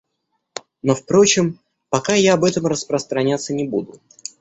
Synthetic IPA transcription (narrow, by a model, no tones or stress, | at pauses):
no̞fpɾo̞t͡ɕɪm | pɐkajaːbɛt̪əmrəspɾəst̪ɾɐnʲat̪sːənʲɪbud̪ʊ